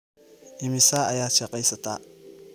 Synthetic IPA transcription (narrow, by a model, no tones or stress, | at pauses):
ʔɪmɪsaːɐjaːd̪ʃɐqɛjsɐt̪ʰa̰ː